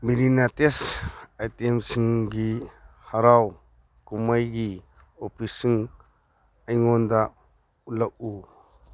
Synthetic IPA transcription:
miɾinatesajtemsiŋɡihaɾaw | kumajɡi | opʰisiŋ | ajŋɔnda | ulak̚u

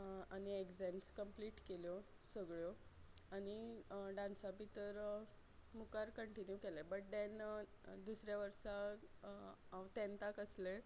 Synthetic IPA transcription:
añieɡzɛmskəmpliːʈkeljɔ | səɡɭjɔaniɖãnsabit̪əɾ | mukaɾkəɳʈinjukelebəʈ̚ɖɛn | d̪usɾjaʋəɾsa | awt̪ɛ̃nt̪akəsle

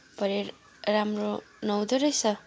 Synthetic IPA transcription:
pʌɾe | ramro | nʌwd̪oɾʌjsʰʌ

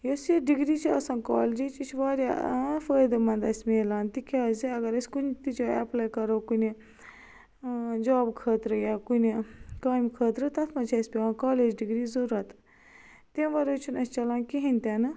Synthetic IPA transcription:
joseɖiɡɾiːt͡ʃʰiɐ̰sãːnkaːld͡ʒit͡ʃit͡ʃʰʋaːɾʲjafəːjd̪ɐmɐnd̪ɐsʲmeːlaːnt̪ikʲaːziɐɡɐɾɐsʲkunʲt̪it͡ʃoɛplaːjkɐɾoːkuni | d͡ʒaːbkʰəːt̪ɾɨjakunʲikaːjmkʰəːt̪ɾɨt̪ɐt̪ʰmɐt͡ʃʰɐsʲpʲiʋãːkaːleːd͡ʒɖiɡɾizɐɾuɾɐt̪ | t̪ẽʋɐɾot͡ʃʰunɐsʲt͡ʃɐlãːnkiɦinʲt̪ʲanɨ

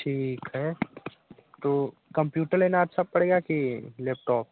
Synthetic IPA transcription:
ʈʰiːkɦɛ | t̪oː | kɐ̃mpjuːʈəɾleːnaɐtːʃʰapɐɽ̤eːɡakileːp̚ʈɔːp̚

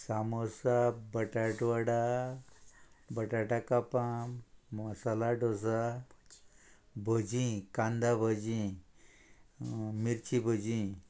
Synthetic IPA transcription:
samosabəʈaʈʋaɽa | bəʈaʈakapamməsalaɖos̬a | bʱod͡ʑĩkãnd̪abʱəd͡ʑĩ | miɾt͡ɕibʱod͡ʑĩ

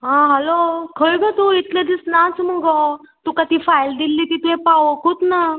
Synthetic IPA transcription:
ɦãɦəlokʰəjɡət̪uit̪ʰlẽd̪isnãt͡sməɡɔ | t̪ukat̪iːfajld̪ilːiːt̪it̪uɦẽpaʋəkut̪na

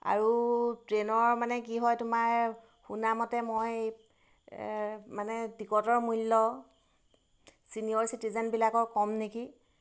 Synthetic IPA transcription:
a̰ɹutɹenɔɹmanɛkiɦɔjtʊmaɹ | xunamɔtɛmoj | manɛdikɔtɔɹmulːɔ | siniɔɹsitizɛnbilakɔɹkɔmneki

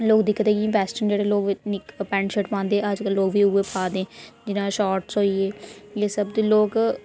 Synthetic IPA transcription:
loːkd̪iːkːət̪eːkĩbɛːsʈənd͡ʒeːɽeːloːknɪkpɛ̃ːɳɖʃəʈpãːnd̪eɛəd͡ʒkəlːoːkʋiːʊeːpʰaːd̪ẽːd͡ʒɪnãːʃaːɾʈsɦoːiːeːjeːsəbd̪iːloːk

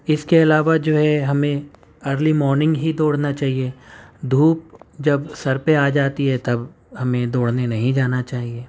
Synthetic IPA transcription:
ɪskeɐlaːʋad͡ʒoːɦɛɦɐmẽ | əːɾlimɔːɾnɪ̃ŋɡɦid̪oːɽnat͡ʃaːɦied̪ʱuːp̚d͡ʒɐbsɐɾpeaːd͡ʒaːt̪iɦɛt̪ɐb | hɐmẽd̪oːɽnenɐɦĩd͡ʒaːnat͡ʃaːɦieː

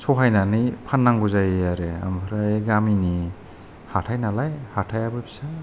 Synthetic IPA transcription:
sɔɦajnanipʰanːaŋɡuzajaɾea̰mpʰaɾaeɡamini | hatʰajnalajhatʰajabɯbisa

